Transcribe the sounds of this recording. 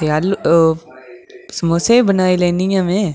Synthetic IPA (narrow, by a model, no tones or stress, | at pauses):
eal | smoːsebənaːelẽːnijãːmẽː